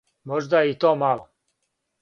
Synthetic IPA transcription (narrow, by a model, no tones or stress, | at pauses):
moʒd̪ait̪oːmalo